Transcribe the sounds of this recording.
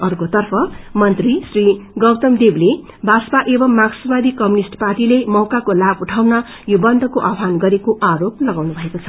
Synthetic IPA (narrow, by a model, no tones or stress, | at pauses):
ʌrkot̪ʌrpʰʌmʌnt̪risriɡʌwt̪ʌmd̪eble | bʱaspaʔebʌmːaɡsʌbad̪ikʌmjunisʈparʈilemʌwkakolabuʈʰawna | jobʌnd̪ʱʌkoʔabʱanɡʌɾekoʔaɾop̚lʌɡawnubʱʌekot͡sʰʌ